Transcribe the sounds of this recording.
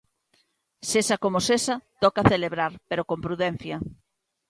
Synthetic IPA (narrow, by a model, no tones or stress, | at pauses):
sesɐkomosesɐt̪ɔkaθeleβɾaɾpeɾokompɾuðɛn̟θjɐ